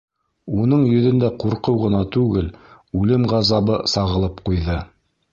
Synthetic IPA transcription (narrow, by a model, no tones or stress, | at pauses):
unɤɴjɵ̆ðɵ̆nd̪æquɾqɤwʁɤ̆nɑt̪ʉɡɘl | ʉlɘmʁɑzɑβɤsɑʁɤ̆lˠɤpqujðɤ